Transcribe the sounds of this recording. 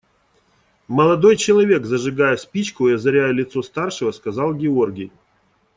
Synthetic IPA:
məlˠɐd̪o̞jt͡ɕɪlˠɐvʲe̞kzəʐɨɡajɛspʲit͡ɕkʊɪɐzɐɾʲæjʊlʲɪt̪so̞st̪arʂɨvəskɐzɑlˠɡʲɪo̞rɡʲɪj

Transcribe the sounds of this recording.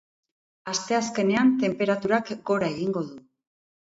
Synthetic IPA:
ast̪e̞aske̞ne̞ant̪e̞mpe̞ɾat̪uɾakɡo̞ɾae̞ɣiŋɡo̞ðu

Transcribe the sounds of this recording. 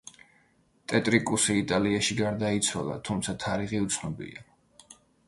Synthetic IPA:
t̪ʼɛt̪ʼɾikʼusiːt̪ʼaliaʃiɡaɾd̪ait̪sʰwalˠa̰t̪ʰumt̪sʰat̪ʰaɾiʁiut̪sʰnɔbḭa̰

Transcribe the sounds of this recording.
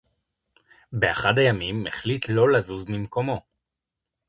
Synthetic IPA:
beaχadajamimeχlitlo̞lazuzmimko̞mo̞

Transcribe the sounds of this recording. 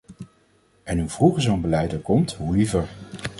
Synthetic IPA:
ɛnɦuv̥ruχəɹzonbəlɛjtəɹkɔmtɦuivəɹ

